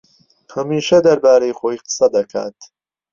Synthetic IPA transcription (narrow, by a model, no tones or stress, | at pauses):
hɐmiːʃɐd̪ɐɾbaːɾɐjxoːiqɨ̥sɐd̪ɐkʰa̰ːt̪